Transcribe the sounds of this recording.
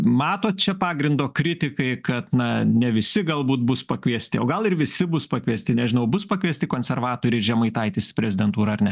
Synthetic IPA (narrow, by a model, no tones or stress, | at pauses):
mɑːt̪oːt̪̚t͡ʃʲɛpɑːɡɾʲɪnd̪oːkɾʲɪt̪ʲɪkɐɪkɐt̪nɐnʲɛʋʲɪsʲɪɡɐlˠbuːt̪̚bʊspɐkʋʲiɛsʲt̪ʲɪoːɡɐlˠɪrʋʲɪsʲɪbʊspɐkʋʲiɛsʲt̪ʲɪnʲɛʒʲɪnɐʊbʊspɐkʋʲiɛsʲt̪ʲɪkoːnʲsʲɛrʋɑːt̪oːɾʲiɪɾʒʲɛmɐɪt̪ɐɪt̪ʲiːspʲɾʲɛzʲɪd̪ʲɛnt̪uːɾɐɐrnʲɛ